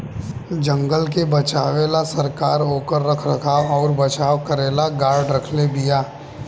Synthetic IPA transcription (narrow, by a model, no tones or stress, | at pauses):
d͡ʒə̃ŋɡəlk̬ebɐt͡ʃaːʋeːlasɐɾkaːɾoːkəɾːɐkʰɾɐkʰaɔːɾbɐt͡ʃaːʋkəɾeːlaɡaːɾɖɾɐkʰlebijaː